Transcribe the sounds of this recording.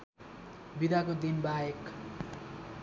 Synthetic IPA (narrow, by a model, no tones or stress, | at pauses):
bid̪ʱakod̪inbajek